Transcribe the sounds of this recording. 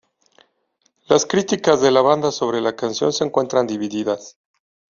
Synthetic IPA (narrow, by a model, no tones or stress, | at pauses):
laskɾit̪ikazðe̞laβand̪aso̞βɾe̞lakansjo̞̰nseŋkwe̞nt̪ɾand̪iβiðiðas